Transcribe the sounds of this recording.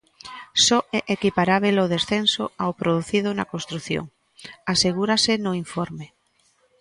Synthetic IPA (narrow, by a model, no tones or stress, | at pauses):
sɔekʔekipaɾaβ̞eloðesθenso̰awpɾoðuθið̞ʊnakõnst̪ɾuθjo̰ŋ | aseɣ̞uɾasenoiɱfɔɾme